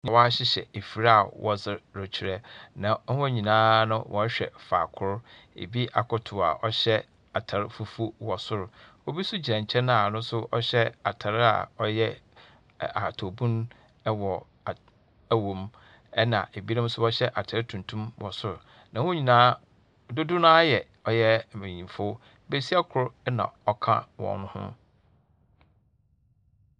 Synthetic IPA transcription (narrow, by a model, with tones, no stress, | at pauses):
ɲ˨wɔ˦a˦ɕɪ˦ɕɛ̰˨e˨fi˨ɾa˦a˨wɔ˦zɪ˨ɾʊ˨t͡ɕʰi˨ɾɛ˦nã˨˦wɔ̃˦ɲĩ˨nãː˦nʊ̃˦wʔɔ̰˨˦ɕᶣɛ̰˨fa̰ː˨kʰʊ˦ɾ | ḛ˨bi˦ʔa̰˨kʰʊ˦tʰʊ˨a̰˨ʔɔ˦ɕɛ˦ | a˨tʰa˨ɾɪ˦fu˨fu˦wɔ˨sʊ˦ɾʊ˨wɔ˦bi˦sʊ˦d͡ʑi˨ɾã˨ɲ˨t͡ɕʰɛ̃˦n˦a˨nʊ̃˦sʊ˦ʔɔ˦ɕɛ˦a˨tʰa˨ɾɪ˦a̰˨ɔ˦jɛ˦ | a˨tʰo˨bũ˦n˦ | wɔ˨ | æ˦wõ˨m | ɛ˦nã̰˨ʔe˨bi˦ã˦m̩˦sʊ˦ɔ˦ɕɛ˦ʔa˨tʰa˨ɾɪ˦tʰũ˨ntʰũ˦mwɔ˨sʊ˦ɾʊ˨ | nã˨wʊ̃˦ɲĩ˨nãː˦˨ | dʊ˦dʊ˦nãː˦jɛ˨ | ɔ˨jɛ˦˨mẽ˨ɲĩ˨fo˦ | be˦˨si˦a˦kʰʊ˨ɾʊ˦nã̰˨ɔ˨kʰã̰˦wɔ̰̃˨nʊ̃˦hʊ̰̃˦